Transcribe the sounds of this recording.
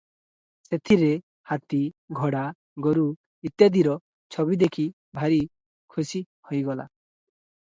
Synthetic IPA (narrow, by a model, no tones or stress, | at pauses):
set̪ʰiɾe | hat̪iɡʱɔɽa | ɡɔɾu | it̪jad̪iɾɔ | t͡ʃʰɔβid̪ekʰi | bʱaɾi | kʰusi | hojɡɔla̰